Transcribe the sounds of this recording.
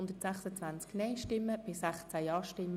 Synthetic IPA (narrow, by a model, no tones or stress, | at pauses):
nd̪ətsæχsət͡sʋænt͡sknɛɪʃtɪmːəb̥ɪsæχt͡sæjɑːʃtɪmː